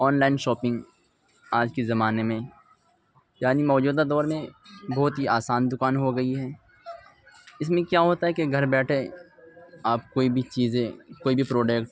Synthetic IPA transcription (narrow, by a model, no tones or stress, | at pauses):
ɔːnlaːɪnʃɔːpɪ̃ŋɡ | aːd͡ʒkezɐmaːnemẽ | jaːnimɔːd͡ʒuːd̪ad̪ɔːɾmẽbɔɦʊt̪ɦiʔaːsaːnd̪ʊkaːnɦoɡɐiɦɛː | ɪs̬mẽkjaɦoːt̪aɦɛkeɡʱɐɾbɛːʈʰe | aːpkoːibʱit͡ʃiːzẽkoːibʱipɾoːɖekʈ